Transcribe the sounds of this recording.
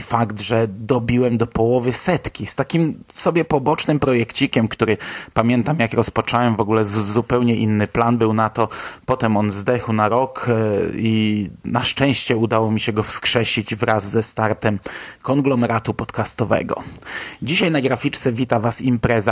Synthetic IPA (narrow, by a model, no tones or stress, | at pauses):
faɡd̪ʐɛd̪ɔbʲiwɛmd̪ɔpɔwɔvɘsɛt̪kʲist̪akʲimsɔbʲjɛpɔbɔt͡ʂnɘmpɾɔjɛkt͡ɕikʲɛmkt̪uɾɘpamʲjɛnt̪amjakɾɔspɔt͡ʂɔwɛmvɔɡulɛzupɛwɲɛʔinːɘplanbɘwnat̪ɔpɔt̪ɛmɔnzd̪ɛxwnaɾɔkinaʂt͡ʂɛ̃w̃ɕt͡ɕɛud̪awɔmʲiɕɛɡɔfskʂɛɕid͡ʑvɾʔazːɛst̪aɾt̪ɛmkɔŋɡlɔmɛɾat̪upɔt̪kast̪ɔvɛ̰ɡɔ̰d͡ʑiɕajnaɡɾafʲit͡ʂt̪sɛvʲit̪avasimpɾɛza